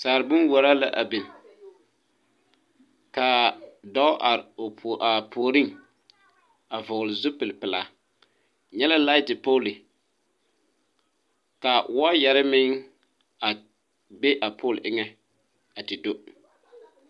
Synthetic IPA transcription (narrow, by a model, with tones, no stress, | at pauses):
saː˨ɾɪ˨bʊ˦nwɔ˨ɾa˦la̰˨ʔa̰˨bɪ˨n˨ | ka˨dɔ˦ʔa˨ɾo˨pʰo˨ʔa˨pʰo˨ɾɪ˦ŋ | a˨vʊ˨ɣlɪ˨zʊ˦pɪ˨lpɪ˨la̰˨ | ɲɛ˦la˦la˦tɪ˨poː˦lɪ˨ | ka˨wa˦jɛ˨ɾɪ˦mɪ˦ŋ | a˨ | be˦ʔa˨pʰoː˦˨lʔɪ˦ŋɛ˦ | a˨tɪ˨do˦